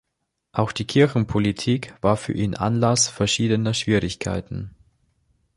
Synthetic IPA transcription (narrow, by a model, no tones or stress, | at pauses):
ʔaʊxd̥iːkʰɪɐçn̩pʰolitʰiːkv̥aːɐfyːɐʔiːnʔa̰nlasfɛɐʃiːdənɐʃv̥iːʁɪçkʰa̰ɪtn̩